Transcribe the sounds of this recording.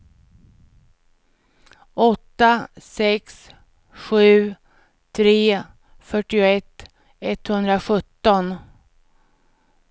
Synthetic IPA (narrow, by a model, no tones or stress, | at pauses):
ʔɔt̪ːasɛks | ɧʉ̟ː | t̪ʰɾeː | fœʈːɪʊɛt̪ː | ɛt̪ːhɵnd̪ɾaɧɵt̪ːɔn